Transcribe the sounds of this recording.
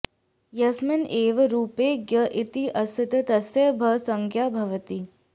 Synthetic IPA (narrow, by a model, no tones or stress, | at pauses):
jɐsmɪnʔeːʋɾuːpeːɡjɐʔɪt̪iʔɐsɪt̪ɐt̪ɐsjɐbʱɐsɐ̃ŋkʰjaːbʱɐʋət̪iː